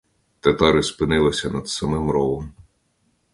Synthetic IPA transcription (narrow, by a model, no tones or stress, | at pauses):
t̪ɐt̪ɑɾɪspɪnɪlˠɐsʲɐnɐd̪sɐmɪmɾɔʋɔm